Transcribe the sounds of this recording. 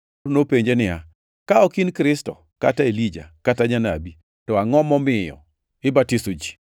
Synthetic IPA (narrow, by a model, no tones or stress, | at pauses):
nopeɲd͡ʒenɪa̰ | kaɔkinkɾɪstɔ̰ | kataelid͡ʒa̰kataɲana̰bi | tɔaŋɔmɔmɪjɔ̰ | ɪbatisod͡ʒi